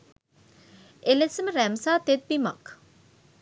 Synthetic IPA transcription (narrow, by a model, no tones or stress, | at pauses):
ʔelesəməɾæmsaːt̪et̪̚bimɐk